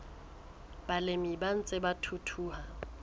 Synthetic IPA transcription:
b̥alɪmiban̩t͡sʼɪbatʰutʰuːha

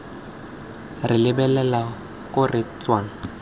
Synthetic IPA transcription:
rɪlɪbɛlɛla | kʼʊrɪt͡sʼwaːn̩

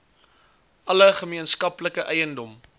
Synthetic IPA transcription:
ʔɐləχəmiənskɐpləkəʔɛjəndɔm

